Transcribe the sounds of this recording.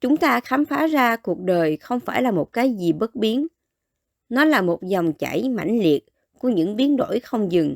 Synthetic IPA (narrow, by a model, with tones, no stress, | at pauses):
t͡ɕʊ˨˦ŋ͡mt̪aː˧xaː˨˦mfaː˨˦zaː˧ku˨˩ək̚ɗəː˨˩jxə˧wŋ͡mfaː˧˩jlaː˨˩mo˨˩t̚kaː˨˦jzi˨˩ɓə˦˥t̚ɓi˨˦ən | nɔ˨˦laː˨˩mo˨˩t̚zɔ˨˩wŋ͡mt͡ɕa̰˧˩jma̰˧˩jŋ̟li˨˩ət̚ | ku˧˩əɲɨ̰˧˥ŋɓi˨˦ənɗo̰˧˥jxə˧wŋ͡mzɨ˨˩ŋ